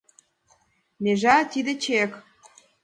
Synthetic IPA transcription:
neʒɑt̪id̪ĕt͡ɕek

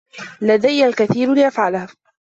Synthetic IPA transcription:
lad̪ajːalkaθiːɾlɪʔafʕalaha

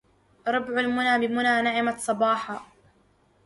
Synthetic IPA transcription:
ɾˤɑbʕalmʊnaːbɪmʊnaːnaʕɪmasˤɑbɑːħa

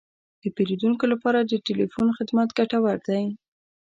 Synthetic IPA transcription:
d̪̥əpelid̪uŋkolapɑɾad̪əʈelifunxɪd̪mat̪ɡaʈawaɾd̪aj

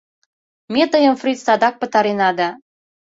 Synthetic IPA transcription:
met̪əjə̆mfrit̪sɑd̪ɑk̚pə̆t̪ɑɾenɑd̪ɑ

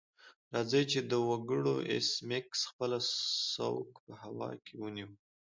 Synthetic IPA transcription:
ɾɑzəjt͡ʃed̪əwaɡəɽo̰ʔḛsmɪksxpəlasa̰wkpəhawɑ̰kʰewəniw

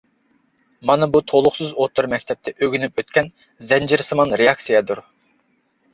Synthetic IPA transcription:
mɑnɨbut̪ʰolˠʊχsɨzot̪ʰːʊɾmɛkʲt̪ʰɛp̚t̪ʰɛʔøɡʲynypøt̪kʲɛn | zɛnd͡ʒiɾsɨmɑnɾejɑksijɛd̪uɾ

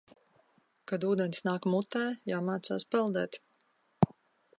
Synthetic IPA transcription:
kad̪uːd̪ɛnsnaːkmut̪æːjaːmaːt̪sa̰ːspɛlˠd̪ɛːt̪

